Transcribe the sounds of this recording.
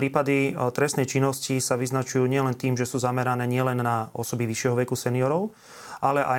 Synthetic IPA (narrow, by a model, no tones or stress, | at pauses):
ɾiːpad̪it̪ɾɛstnɛjt͡ʃinːɔscisaʋiznat͡ʃujuːɲɪɛlɛnt̪iːmʒɛsuːzamɛɾanɛːɲɪɛlɛnːaɔsɔbiʋiʃɪɛɦɔʋɛkusɛniɔɾɔʊ | ʔalɛʔa